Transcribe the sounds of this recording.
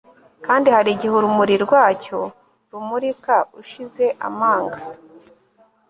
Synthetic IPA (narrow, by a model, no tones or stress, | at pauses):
kaːndihaɾiɟihuɾumuɾiɾɡwaːco̞ | ɾumuɾikauʃize̞ʔa̰maːŋɡa